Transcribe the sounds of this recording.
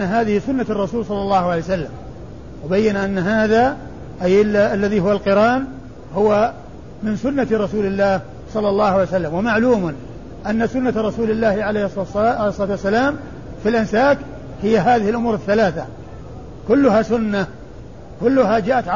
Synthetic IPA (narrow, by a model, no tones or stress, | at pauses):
ɦaːðɪhɪsʊnːat̪rˤːɑsuːlsˤɑlːɑlˤːɑːhʕalejsalːam | wɪbajːanʔanːɦaːða | ʔajʔɪlːaʔalːaðihʊwalqɨɾɑːn | hʊwa | mɪnsʊnːat̪ɾˤɑsuːlɪlːaːh | sˤɑlːɑlˤːɑːhʕaljsalːamwamaʕluːmʊn | ʔanːasʊnːat̪ɾˤɑsuːlɪlːaːhʕalesˤlɑːt̪wasːalaːm | filʔɪnsaːk | hɪjːaɦaːðɪhɪlʔʊmuːɾɪθːalaːθa | kʊlːʊhasʊnːa | kʊlːʊɦad͡ʒaːʔat̪ʕ